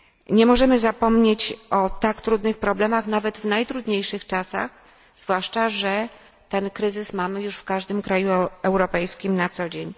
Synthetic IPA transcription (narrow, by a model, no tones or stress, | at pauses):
ɲɛmɔʐɛmɘzapɔmɲet͡ɕɔt̪akt̪ɾud̪nɘxpɾɔblɛmaxnavɛd̪vnajt̪ɾud̪ɲejʂɘxt͡ʂasa̰x | z̥vwaʂt͡ʂaʐɛ | t̪ɛnkɾɘzɘsmamɘjuʂfkaʐd̪ɘmkɾajuɛwɾɔpɛjskʲimnat̪sɔd͡ʑeɲ